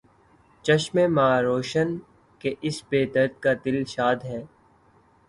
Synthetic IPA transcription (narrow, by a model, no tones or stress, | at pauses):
t͡ʃɐʃmemaːɾoːʃən | keʔɪsbeːd̪əɾt̪̚kat̪ɪlʃaːd̪ɦɛː